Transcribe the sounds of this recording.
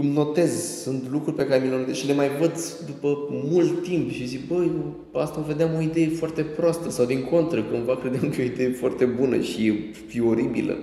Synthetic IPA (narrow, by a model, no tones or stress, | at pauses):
umno̞t̪e̞zsunt̪lukɾurʲpe̞kaɾe̞mʲilenot̪ezʃile̞majvəd̪ | d̪upəmult̪ːimpʃizibəjo | ast̪aove̞d̪eamo̞id̪e̞jefoart̪e̞pɾoast̪əsawd̪iŋko̞nt̪ɾəkumvakɾe̞d̪eamkəjeo̞id̪e̞jefoa̰rt̪e̞bunə̰ʃi | fio̞ɾibḭlə̰